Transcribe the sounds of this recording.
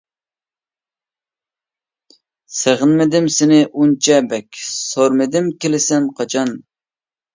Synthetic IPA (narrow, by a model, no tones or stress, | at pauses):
seʁənmɪd̪ɪmsɪnɪʔunt͡ʃʰɛbɛkʲsoɾmɪd̪ɪmkʲelɪsɛnqʰɑt͡ʃʰɑn